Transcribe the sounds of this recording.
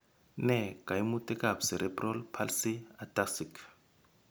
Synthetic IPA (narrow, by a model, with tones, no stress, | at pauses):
nɛ˦˨ka˨jmutʼɛ˦ka˨psɛ˨ɾʔɛprɔ˦lpʰalsi˦a˨tasikʰ